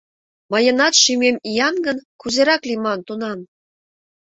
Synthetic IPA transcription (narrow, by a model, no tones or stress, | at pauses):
mɤ̆jɤ̆nɑt̪ʃymʲemijɑnɡə̆nkuzeɾɑklʲimɑnt̪unɑm